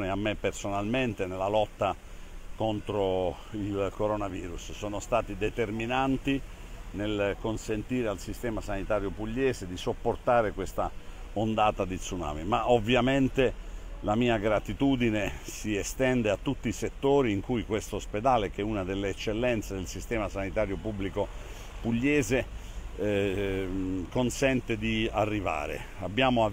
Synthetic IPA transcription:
neamːepːersonalment̪enelːalɔt̪ːa | kont̪ɾo | ilkoɾonaviːɾussoːnost̪aːt̪id̪et̪erminant̪i | nelkonsent̪iːɾealsist̪ɛːmasanit̪aːɾjopuʎːɛːzed̪isopːort̪aːɾekwest̪a̰ | ond̪aːt̪ad̪it̪suna̰ːmimaʔovːjament̪elamiːaɡɾat̪it̪uːd̪inesiest̪ɛnd̪eat̪ːut̪ːiːset̪ːoːɾiːŋkujkwest̪oosped̪aːlek̟euːnad̪elːeːt͡ʃːelːɛnt̪sed̪elsist̪ɛːmasanit̪aːɾjopubːliko | puʎːɛːze | konsɛnt̪ed̪iarːiva̰ːɾḛ | abːjaːmoa

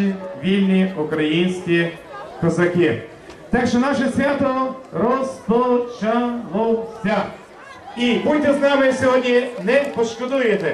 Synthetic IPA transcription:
vilniʊkɾɐinskʲikozɐkʲi | t̪akʃɛnaʃɛsvʲjat̪oɾɔst̪ot͡ʃavolˠst̪ʲa | imujt̪ɛznavɛjsɛɔd̪nʲinɛpoʃkod̪ujɛt̪ɛ

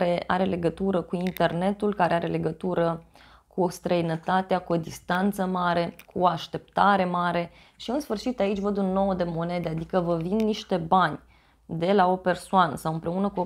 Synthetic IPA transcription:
ɾe̞a̰ɾe̞le̞ɡət̪uɾəkuint̪e̞rne̞t̪ulkaɾe̞aɾe̞le̞ɡət̪uɾə | kust̪ɾəinət̪at̪eakuo̞d̪ist̪ant̪səmaɾe̞kuoaʃt̪e̞p̚t̪aɾe̞maɾe̞ | ʃiɨnsfɨrʃit̪ait͡ʃʲvəd̪unːo̞wd̪e̞mo̞ne̞d̪ead̪ikəvəvinːiʃt̪e̞banʲ | d̪e̞lao̞pe̞rsoanə̰sawɨmpɾe̞unəkuo

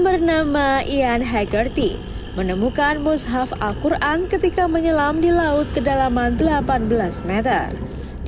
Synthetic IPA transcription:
bərnamaʔianɦaɡərt̪i | mənəmukanmusɦafalkurankət̪ikaməɲəlamdilaut̪̚kədalamand̪əlapanbəlasmɛt̪ə̰r

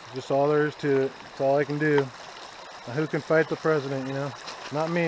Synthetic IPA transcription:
d͡ʒʌstɔðə˞z̥tʰʉt̚ɪtsɔlˠaɪkɨ̃n̩dɨ | hʉkɨ̃nfaɪt̪̚ðəpʰɹ̥ɛzɨɾɨ̃njɨñoʊnət̚mi

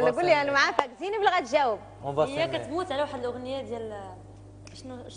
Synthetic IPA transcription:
lkʊlːiænmaʕat̪akziniblɣat̪ʒæwəb̚ | vɑjːækæt̪muːt̪ʕalæwaħəd̪əlʔʊɣnəjæd̪jæl | ʃnuʃ

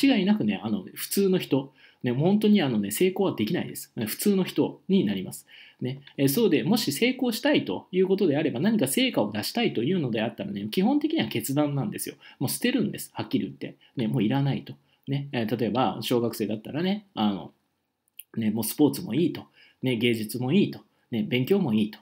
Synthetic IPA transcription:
t͡ɕiɡainakɯ̟ne̞̰ano̞̰ɸɯ̥t͡sɨːno̞çi̥t̪o̞ | ne̞mohõ̞nt̪o̞ɲ̟iano̞ne̞se̞ːko̞ːβad̪e̞kʲinaḭd̪e̞sɨ̥ɸɯ̟̥t͡sɨːno̞çi̥t̪o̞ɲ̟inaɾʲimasɨ̥ne̞so̞ːd̪e̞mo̞ɕise̞ːko̞ːɕi̥t̪ait̪o̞jɯ̟ːko̞t̪o̞d̪e̞aɾe̞banaɲ̟ikase̞ːkao̞d̪aɕi̥t̪ait̪o̞jɯ̟ːno̞d̪e̞at̪ːaɾa̰ne̞kʲiɦõ̞nt̪ekʲiɲ̟iβake̞t͡sɨd̪ãnːãnd̪e̞sɨjo̞̰mo̞ːsi̥t̪e̞ɾɯ̟̃nd̪e̞sɨ̥hakʲːiɾʲit̪ːe̞̰ | ne̞mo̞ːiɾanait̪o̞̥ | ne̞t̪at̪o̞e̞baɕo̞ːɡakɯ̟se̞ːd̪at̪ːaɾane̞ano̞̰ | ne̞mo̞ːsɨ̥po̞ːt͡sɨmo̞̰iːt̪o̞ | ne̞ɡe̞ːd͡ʑɨt͡sɨmo̞iːt̪o̞ | ne̞bẽ̞ŋkʲo̞ːmo̞iːt̪o̥

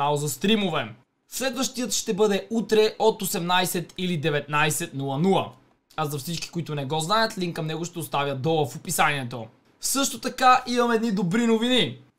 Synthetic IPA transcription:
aozɐst̪ɾimovɛ | slɛd̪vəʃt̪ijət̪ʃt̪ɛbɤd̪ɛut̪ɾɛʔot̪osɛmnajsɛt̪ilid̪ɛvɛt̪najsɛt̪nulˠɐnulˠə | azɐfsit͡ʃki̥koit̪ʊnɛɡɔznajət̪liŋkkːɐmnɛɡʊʃt̪ɛost̪avjɐd̪ɔlˠəfopisaniɛt̪o | fsɤʃt̪ot̪ɐkaʔimɐmɛɛd̪nid̪obɾinovini

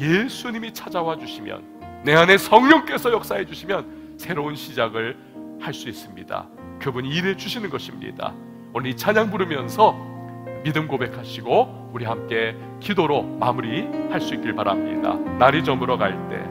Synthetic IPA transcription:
je̞sʰuɲimit͡ɕʰad͡ʑawad͡ʑuɕʰimjʌ̰nːe̞ɦane̞sʰʌŋɲʌŋk͈e̞sʰʌjʌk̚s͈aɦe̞d͡ʑuɕʰimjʌn | sʰe̞ɾounɕʰid͡ʑaɡɯɭ | haɭs͈uis͈ɯmɲḭda̰ | kɯbuɲiːɾe̞d͡ʑuɕʰinɯnɡʌɕʰimɲḭd̥a̰ | onit͡ɕʰaɲaŋbuɾɯmjʌnsʰʌ | midɯmkobe̞kʰaɕʰiɡo | uɾiɦamk͈e̞ | kidoɾomamuɾihaɭs͈uit̚k͈iɭpaɾa̰mɲḭda̰naɾid͡ʑʌmɯɾʌɡaiɭt͈e̞̰

